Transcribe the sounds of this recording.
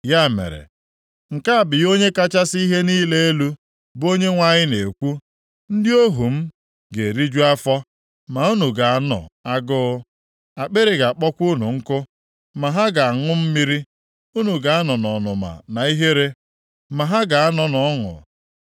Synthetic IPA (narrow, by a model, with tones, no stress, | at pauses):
ja˦˨mḛ˨ɾḛ˨ | ŋ̩˨ka˦a˨bɪ˨jo˦ɲe˦ka˦t͡ʃa˦si˦ɦe˦niː˦le˦e˦lu˦ | bo˦ɲe˦ŋʷa˦ɲɪ˦ne˨kʷu˦ | n̩˦dɪ˦o˦ɦu˨m̩˦ | ɡe˨ɾi˦d͡ʒu˦a˦fɔ˦ | ma˨u˦nu˨ɡa˨a˨nɔ̰˨a˦ɡʊ˦ | a˨k͡pe˦ɾe˨ɡa˨k͡pɔ˦kʷu˦nṵ˨ŋ̩˦kʊ˦ | ma˨ɦa˦ɡa˨a˨ŋʊ˦m̩˦mi˦ɾi˦ | u˦nu˨ɡa˨a˦nɔ˨nɔ˨nʊ˨ma̰˨na˨i˦ɦe˦ɾe˦ | ma˨ɦa˦ɡa˨a˦nɔ˨nɔ˨˦ŋʊ̰˨